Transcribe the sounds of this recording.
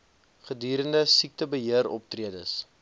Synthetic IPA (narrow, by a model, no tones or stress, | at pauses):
χədyːɾəndəsik̚təbəɦiəɾɔ̰p̚triədəs